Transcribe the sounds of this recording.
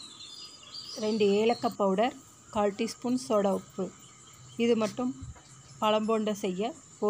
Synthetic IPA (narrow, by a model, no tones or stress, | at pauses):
ɾɛɳɖɯeːlɐkːɐpːɐʋɯɽɐɾ | kaːɭʈːispunsɔɽɐɔpːɯ | ɪðɯmɐʈːɯm | pɐɭɐmboːɳɖɐsɛjːɐ | o